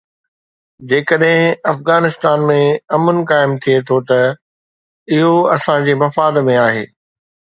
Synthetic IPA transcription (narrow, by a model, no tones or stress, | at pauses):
d͡ʑeːkəɗɦɪ̃ɐfɣaːnɪst̪aːnmẽɐmənɪ̆kaːɪmt̪ʰijet̪ʰot̪ɐ | ɪɦoɐsãd͡ʑeːmɐfaːd̪mẽaːɦeː